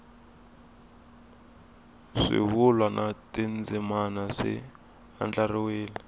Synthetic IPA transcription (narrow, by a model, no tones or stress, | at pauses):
ʂḭβulwanʔatind͡zimanaʂḭ | a̰nd͡ɮariweːli